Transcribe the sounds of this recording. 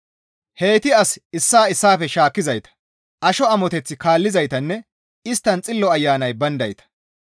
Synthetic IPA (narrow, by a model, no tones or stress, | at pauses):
he̞ːt̪ɪɐsɪsːaːɪsːaːfɛʃaːkːɪzɐjt̪ɐ̥ | ʔɐʃɔɐmɔt̪ɛt͡sːɪkaːlːɪzɐjt̪ɐnːɛ | ɪst̪ːɐnt͡sʼɪlːɔɐjːaːnɐjbɐnd̪ɐjt̪ɐ̥